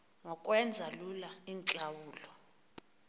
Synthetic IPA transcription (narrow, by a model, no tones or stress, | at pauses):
ŋɔkʼwɛnd͡zʱalulaint͡ɬʼawuːlɔ